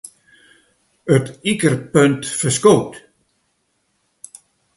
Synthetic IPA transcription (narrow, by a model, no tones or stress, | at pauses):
ətikərpøntfəskoːwt